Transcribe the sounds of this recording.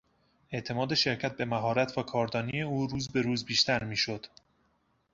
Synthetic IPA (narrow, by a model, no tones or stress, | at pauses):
e̞ʔt̪ʰe̞mɒːd̪e̞ʃe̞ɾcʰæt̪̚be̞mæɦɒːɾæt̪ʰvækʰɒːɾd̪ɒːnije̞uːɾuːzbe̞ɾuːzbiːʃt̪ʰæɾmiːʃo̞d̪̥